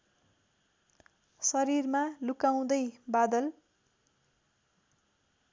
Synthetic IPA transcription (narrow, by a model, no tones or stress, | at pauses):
sʌɾirmalukaw̃d̪ʌjbad̪ʌl